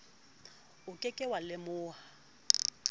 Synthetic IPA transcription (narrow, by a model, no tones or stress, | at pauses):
ʊkʼɪkʼɪwalɪmʊːha